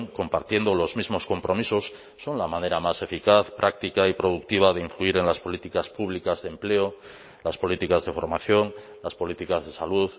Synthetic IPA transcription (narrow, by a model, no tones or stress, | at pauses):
ŋko̞mpa̰ɾt̪je̞nd̪olo̞zmizmo̞sko̞mpɾo̞miso̞sː | o̞nlamãne̞ɾamase̞fikaθpɾʔak̚t̪ikaipɾo̞ð̞uk̚t̪iβ̞að̞eiɱfluiɾe̞nlaspo̞lit̪ikaspuβ̞likazðemple̞o | laspo̞lit̪ikazðe̞fo̞̰ɾmaθjo̞ŋ | laspo̞lit̪ikazðe̞saluð